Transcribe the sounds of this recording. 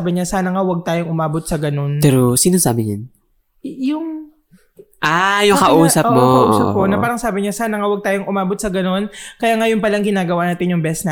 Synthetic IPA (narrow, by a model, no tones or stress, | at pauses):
abɪɲasaːnɐŋawɐɡ̚t̪aːjoŋʔʊmaːbot̪̚sɐɡɐno̞npɛːɾosiːnosaːbɪɲan | jʊŋ | ʔajʊŋkɐʔuːsɐʔ̚moɐʔusɐp̚koʔnɐpaːɾɐŋsaːbɪɲasaːnɐŋɐwɐɡ̚t̪aːjoŋʔʊmaːbot̪̚sɐɡɐno̞nkɐjaːŋɐjʊŋpɐlɐŋɡɪnaːɡɐwanaːt̪ɪnjʊŋbɛsna